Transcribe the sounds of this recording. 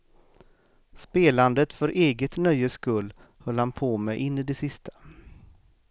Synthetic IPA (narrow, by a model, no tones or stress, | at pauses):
speːland̪ət̪fœɾʔeːɡət̪nœjːəskɵlː | hœlːhanpʰoːmɛʔɪnːəd̪ɛsɪst̪ʰḁ